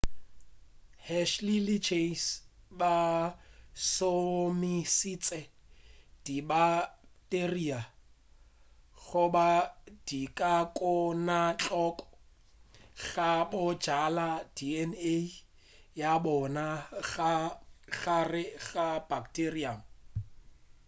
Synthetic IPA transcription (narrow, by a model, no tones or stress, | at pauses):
hɛʃlilit͡ʃʰesba | somisit͡sʼɛ | d̥ibateria | ɣʊbad̥ikʼakʼʊnat͡ɬʼɔkʼɔ̥ | ɣabʊd͡ʒalad̥iɛne | jabɔnaɣaɣarɪɣab̥akteriam̩